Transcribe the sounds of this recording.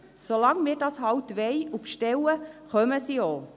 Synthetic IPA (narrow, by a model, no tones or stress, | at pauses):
solɑŋmɪːɾdɑsɦɑlt̪ʋɛjufʃtɛləχœməsioː